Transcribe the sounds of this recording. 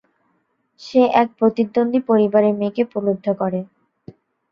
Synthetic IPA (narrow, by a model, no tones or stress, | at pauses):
ʃeʔɛk̚pɾot̪id̪ːond̪ʱipoɾibaɾemekepulod̪ʱːokɔɾe